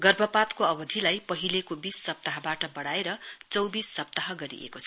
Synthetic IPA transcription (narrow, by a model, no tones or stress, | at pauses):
ɡʌrbʱʌpat̪koʌbʌd̪ʱilajpʌɦilekobisːʌp̚t̪aɦʌbaʈʌbʌɽaeɾʌt͡sʌwbisːʌp̚t̪aɦʌɡʌɾḭʔḛkot͡sʰʌ